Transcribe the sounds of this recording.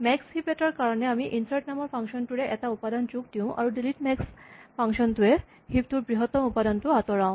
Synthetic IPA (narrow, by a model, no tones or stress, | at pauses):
mɛkshipeʈaɾkaɾoneamiʔinsaʈnamɔɾpʰaŋʃɔnʈ̪uɾeʔɛtaupad̪ant͡ɕuk̚d̪iũʔa̰ɾuɖiliʈmɛkspaŋʃɔnt̪ue | hip̚t̪uɾbɾiɦot̪ːɔmupad̪anʈuat̪oɾaʊ̃